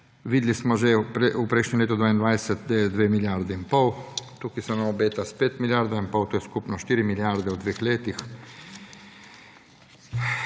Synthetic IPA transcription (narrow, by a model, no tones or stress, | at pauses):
ʋiːd̪lismɔʒɛpɾeupɾɛjʃnɲɛmleːt̪ud̪ʋaːind̪ʋajsɛt̪d̪ed̪ʋeːmiljaɾd̪ɛimpɔwt̪ukisɛnamɔbeːt̪aspeːt̪miljaɾd̪aimpɔwt̪oːjɛskupnɔʃt̪iːɾimiljaɾd̪ɛud̪ʋeːxleːt̪ix